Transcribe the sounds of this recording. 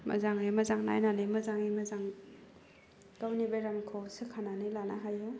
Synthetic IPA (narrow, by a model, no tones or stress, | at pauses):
mɐ̰zaŋimɐzaŋna̰jnanimɐzaŋimɐzaŋ | kawnibeɾamkʰowsekʰananilana̰ɦaja